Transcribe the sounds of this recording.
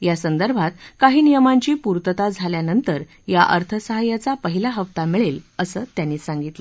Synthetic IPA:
jasənd̪əɾbʱat̪kaɦiːnijəmaɲt͡ɕiːpuɾt̪ət̪ad͡zʱaljanənt̪əɾ | jaʔəɾt̪ʰəsəɦajat͡sapəɦilaɦəʋt̪amiɭeləsəːt̪janːiːsaŋɡit̪lə

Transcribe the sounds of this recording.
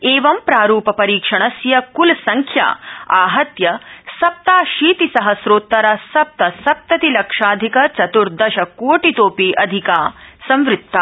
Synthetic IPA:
eːʋɐmpɾaːɾuːpɐpɐɾiːkʂɐɳɐsjɐkulsɐŋkʰja̰ːaːɦɐt̪jɐsɐp̚t̪aːʃiːt̪isɐɦɐsɾoːt̪ːɐɾɐsɐp̚t̪ɐsɐp̚t̪ɐt̪ilɐkʂaːd̪ʱikɐt͡ʃɐt̪uɾd̪ɐʃɐkoːʈit̪oːpiːʔɐd̪ʱikaːsɐ̃mʋɾɪt̪ːaː

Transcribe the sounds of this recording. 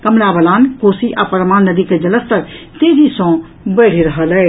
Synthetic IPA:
kəmlabəlaːnkosiʔa̰pəɾmaːnnːəd̪iked͡ʒələst̪əɾt̪ed͡ʒisɔ̃ | bəɽ̤iɾəɦəlɛ

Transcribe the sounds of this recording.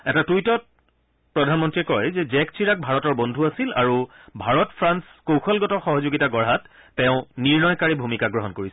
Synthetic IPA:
ɛtatujtɔt̚ | pɹɔdʱanmɔntɹiɛkɔjzɛzɛksʰiɹak̚bʱaɹɔtɔɹbɔndʱuasila̰ɹu | bʱaɹɔtpʰɹanskowxʰɔlɡɔtɔxɔɦɔzoɡitaɡɔɹɦatː | eʊ̃niɹnɔjkaɹibʱumikaɡɹɔɦɔnkoɹisɛ

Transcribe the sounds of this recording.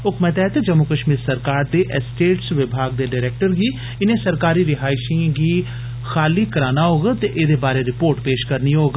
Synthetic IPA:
ʊkmɛt̪ɛːt̪ed͡ʒəmukəʃmiːɾsəɾkaːɾd̪eːʔɛsʈeːʈsʋɪbʱaːɡd̪eːɖaːɾɛːk̚ʈəɾɡiː | ɪnẽːsəɾkaːɾiːɾɪɦaːɪʃĩɡiː | xʰaːliːkəɾaːnaːɦoːɡt̪eʔed̪eːbaːɾeːɾɪpoːɾʈpeːʃkəɾniːɦoːɡ

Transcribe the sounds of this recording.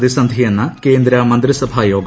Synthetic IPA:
d̪isɐnd̪ʱijɐnːɐkeːnd̪ɾɐmɐnd̪ɾisɐbʱaːjoːɡ

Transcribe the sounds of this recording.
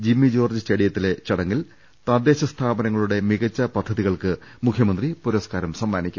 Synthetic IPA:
d͡ʑimːid͡ʑoːrd͡ʑɐstɐɽijɐt̪ːile̞t͡ɕɐɽɐŋːil | t̪ɐd̪e̞ːɕɐst̪ʰaːbɐnɐŋːɐɭuɽe̞miɣɐt͡ɕːɐpɐd̪ʱːɐðiɣɐɭkɨmukʰjɐmɐnd̪ripuɾoːskaːɾɐmsɐmːaːnikʲːum

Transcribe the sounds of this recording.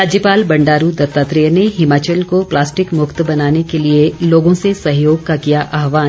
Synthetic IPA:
ɾaːd͡ʒjəpaːlbɐ̃ɳɖaːɾud̪ɐt̪ːaːt̪ɾeːneɦɪmaːt͡ʃəlkoplaːsʈɪkmʊxt̪bɐnaːnekelieloːɡõsesɐɦjoːɡkakijaʔaːɦʋaː

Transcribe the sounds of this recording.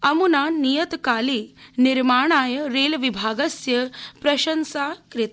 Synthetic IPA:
ɐmunaːnijət̪kaːliniɾmaːɳ̃aːjəɾeːlʋibʱaːɡɐsjɐpɾɐɕɐnsaːkɾɪt̪

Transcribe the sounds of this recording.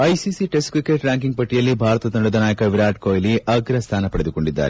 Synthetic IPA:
ɐjsisiʈesʈkɾikeʈɾaːŋkiŋɡ̚pɐʈːijɐlːibʱaːɾɐt̪ɐd̪ɐɖɐd̪ɐnaːjɐkɐʋiɾaːʈkoːjliʔɐɡɾɐst̪ʰaːnɐpɐɽed̪uko̞ɳɖid̪ːa̰ːɾe

